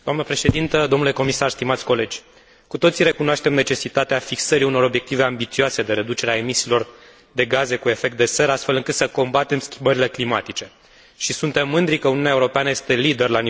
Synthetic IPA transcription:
d̪oamnəpɾe̞ʃe̞d̪int̪əd̪onule̞ko̞misarst̪imat̪sʲko̞le̞d͡ʒʲ | kut̪o̞t̪siɾe̞kunoaʃt̪e̞mne̞t͡ʃe̞sit̪at̪eafiksəɾiuno̞ɾo̞bje̞k̚t̪ive̞ambit̪sioase̞d̪e̞ɾe̞d̪ut͡ʃe̞ɾeae̞misiːlo̞r | d̪e̞ɡaze̞kue̞fe̞k̚t̪d̪e̞seɾast̪fe̞lɨŋkɨt̪səko̞mbat̪e̞mskʲi̥mbəɾile̞klimat̪it͡ʃe̞ | ʃisunt̪e̞mːɨnd̪ɾikəuniunʲaeuɾo̞peanəje̞st̪e̞lid̪e̞rlani

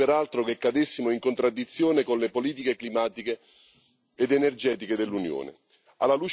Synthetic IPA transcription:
eɾalt̪ɾokekːad̪esːimoiŋkont̪ɾad̪ːit̪sːjoːnekonlepoliːt̪̬ikeklimaːt̪ikeː | d̪enerd͡ʒɛːt̪iked̪elːunjo̰ːnḛ | alːaluːt͡ʃ

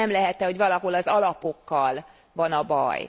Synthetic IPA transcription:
ɛmlɛɦɛt̪ːɛho̞ɟʋɒlɒɦo̞lɒzɒlɒpo̞kːɒl | vɒnɒbɒ̰j

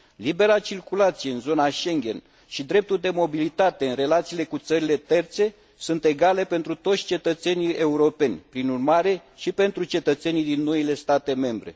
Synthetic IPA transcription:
libe̞ɾat͡ʃirkulat̪sije̞ɨnzo̞naʃe̞ŋɡʲe̞n | ʃid̪ɾe̞p̚t̪uld̪e̞mo̞bilit̪at̪e̞ɨnɾe̞lat̪siːle̞kut̪səɾile̞t̪e̞rt̪se̞ | sunt̪e̞ɡale̞pe̞nt̪ɾut̪o̞t̪sʲt͡ʃe̞t̪ət̪se̞nije̞uɾo̞pe̞nʲpɾinurmaɾe̞ʃipe̞nt̪ɾut͡ʃe̞t̪ət̪se̞nid̪inːo̞ile̞st̪at̪e̞me̞mbɾe̞̰

